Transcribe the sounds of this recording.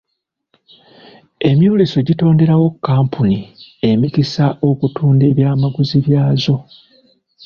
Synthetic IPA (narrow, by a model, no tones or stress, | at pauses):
e̞mjoːleso̞ɟito̞ːnde̞ɾawo̞kːaːmpʰunie̞micisaʔo̞kutuːnde̞ːβjaːmaɡuziβjaːzo̞